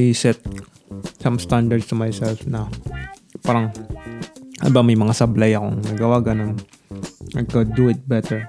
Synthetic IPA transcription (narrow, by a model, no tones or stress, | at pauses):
ajsɛt̪̚ | sɐ̃mst̪and̪ɐɹd̪st̪umajsɛlfnɐ | paːɾɐŋ | ɐ̰bamɐjmɐŋasɐblajɐkoŋnɐɡawaɡɐnon | ajkod̪uɪt̪̚bɛt̪ɛɹ